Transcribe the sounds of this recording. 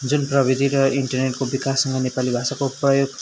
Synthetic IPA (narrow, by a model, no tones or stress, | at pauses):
d͡zunprʌbid̪ʱiɾʌiɳʈʌrneʈkobikasːʌŋɡʌnepalibʱasakoprʌjoɡ